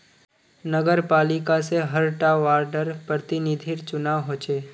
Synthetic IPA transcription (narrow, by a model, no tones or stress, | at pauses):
nəɡəɾpaːlɪkaseɦəɾʈaʋaːɾɖəɾpɾət̪ɪnɪd̪ʱiɾt͡ʃʊnaːʋɦoːt͡ʃeː